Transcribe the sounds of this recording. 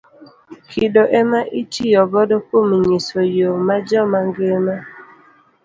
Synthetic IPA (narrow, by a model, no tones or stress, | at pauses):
kʰidoʔɛmaʔit͡ʃijɔbɔdɔkomiɲisojomad͡ʒɔmaŋɡema